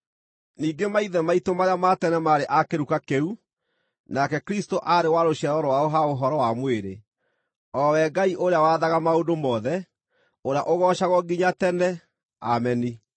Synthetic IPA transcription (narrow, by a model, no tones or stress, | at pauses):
niːɡemaiðɛmaitomaɾjamatɛnɛmaːɾeʔakeɾukakeu | nakɛkɾistoʔaɾewaɾoɕɛɾɔɾɔwaoɦaoɦɔɾɔwamweɾe | ɔwɛɡaiʔoɾeawaðaɣamaodomɔːðɛ | oɾeaʔoɣɔʃaɣɔɡiɲatɛnɛ | a̰mɛni